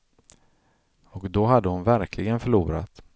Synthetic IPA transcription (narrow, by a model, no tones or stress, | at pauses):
ɔkd̪ɔɦad̪ːəhʊnvæɾkʰlɪɡənfœɭuːɾa̰t̪